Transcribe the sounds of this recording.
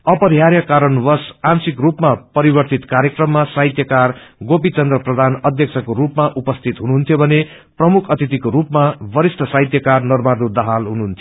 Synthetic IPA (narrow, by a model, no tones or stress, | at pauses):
ʌpʌɾijaɾjʌkaɾʌnwʌsansikrupmapʌɾibʌrt̪it̪kaɾjekrʌmːasaɦit̪jʌkarɡopit͡sʌnd̪rʌprʌd̪ʱanʌd̪ʱjʌk̚t͡sʰʌkoɾupmaʔupʌst̪ʰit̪ɦunuɦunt̪ʰjobʱʌne | prʌmukʰʌt̪it̪ikoɾupmabʌɾisʈʰʌsaɦit̪jʌkarnʌrbaɾd̪ud̪ʌɦalɦunuɦunt̪ʰjo